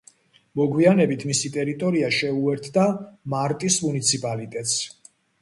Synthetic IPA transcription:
mɔɡwianɛbit̪ʰmisit̪ʼɛɾit̪ʼɔɾiaʃɛuɛɾt̪ʰd̪amaɾt̪ʼismunit̪sʰipʼalit̪ʼɛt̪ʼs

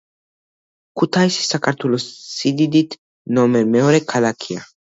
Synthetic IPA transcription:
kut̪ʰajsi̥sakaɾt̪ʰulɔssid̪id̪it̪ʰ | nɔmɛmɛɔɾɛkʰalakʰia

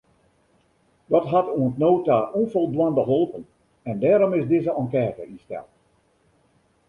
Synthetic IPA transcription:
ʋɔtɦatuəntnoːtaonfolˠdwandəɦolˠpən | ɛndɛːɾomɪzdɪzəʔɔŋkɛːtə̰ʔistɛ̰lˠt

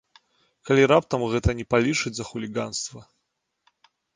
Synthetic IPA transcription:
kalʲiɾapt̪ɐmɣɛt̪ɐnʲɛpalʲit͡ʂɨd͡zʲzɐxulʲiɡanst̪vɐ

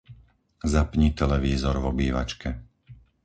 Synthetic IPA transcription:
zapɲit̪ɛlɛʋiːzɔɾvɔbiːʋa̰t͡ʃkɛ

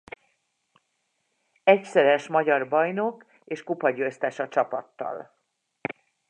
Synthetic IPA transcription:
ɛcsɛɾɛʃmɒɟɒrbɒjno̞k | eːʃkupɒɟøːst̪ɛʃɒt͡ʃɒpɒt̪ːɒ̰l

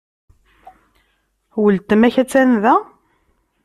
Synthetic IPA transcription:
wəlt̪əmæçæt͡sːænðæ

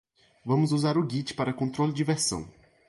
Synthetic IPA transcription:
vɐ̃mʊzuzaɾʊɡit͡ʃɪ̥paɾɐkõnt̪ɾolɪd͡ʒɪveɾsɐ̰̃w̃

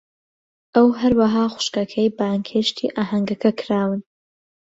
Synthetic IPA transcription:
ʔɐwɦɐɾwɐɦaːxʷʊ̥ʃkɐkʰɐjbaːŋkʰeʃt̪ʰḭːʔaːɦɐŋɡɐkʰɐkʰɾaːwɨn

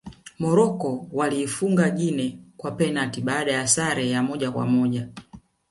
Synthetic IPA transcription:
mɔɾɔkɔwaliːfuŋɡaʄinɛkwapɛnatiɓaːɗajasaɾɛjamɔʄakwa̰mɔʄa

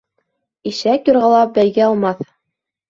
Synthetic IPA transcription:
iʃækjŏɾʁɑlˠɑp̚bæjɡæɑlˠmɑθ

